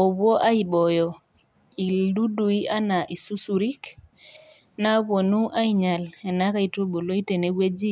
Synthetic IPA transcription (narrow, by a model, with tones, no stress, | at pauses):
ɔ˨βɔ˦ʔa˦ji˨ɓɔ˨jɔ˨ | i˨du˦du˨i˦a˦na˨ʔi˨su˦su˨ɾi˦k | na˦bo˨nu˦ʔa˦jiɲa˨le˨na˦ka˦i˨to˦ɓo˨lo˦i˦te˨ne˦we˦d͡ʒi˦